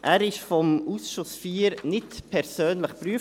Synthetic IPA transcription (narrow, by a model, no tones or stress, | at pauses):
ʔæːɾɪʃfɔmuːsʃʊsfiːɾnɪtpʰɛɾsøːnləχpryə